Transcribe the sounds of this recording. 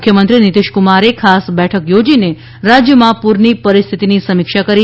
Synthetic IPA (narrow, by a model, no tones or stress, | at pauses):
kʰjəmənt̪ɾinit̪iʃkumaɾekʰasbɛʈʰəkjod͡ʒine | ɾad͡ʒjəmãpuɾɳipəɾist̪ʰit̪inisəmikʃakəɾi